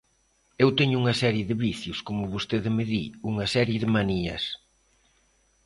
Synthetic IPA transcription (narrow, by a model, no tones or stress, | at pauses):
ewt̪eɲʊuŋɐsɛɾjeðɪβiθjʊskomʊβost̪eðɪmɪðiuŋɐsɛɾjɪðɪmaniɐ̰s